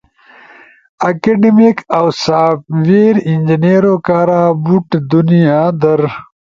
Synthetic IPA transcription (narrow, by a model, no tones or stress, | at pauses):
ɐkeɖimikawsaːpʋeːɾind͡ʑineːɾokaːɾaːbuʈd̪unijaːd̪ɐɾ